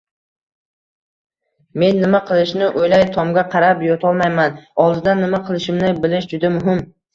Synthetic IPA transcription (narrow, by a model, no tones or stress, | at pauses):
me̞nːɪmaqʰɨlˠɪʃnɪʔojlajt̪ʰɒmɡʲaqʰɑɾapjɒt̪ʰɒlˠmajmanɒlˠd̪ɪd̪anːɪmaqʰɨlˠɪʃɪmnɪbɪlɪʃd͡ʒʊd̪amʊɦɪm